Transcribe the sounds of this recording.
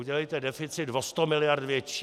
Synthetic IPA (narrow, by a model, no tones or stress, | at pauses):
uɟɛlɛjt̪ɛdɛfɪt͡sɪd̪dvost̪omɪlɪjaɾt̪vjɛt͡ʃiː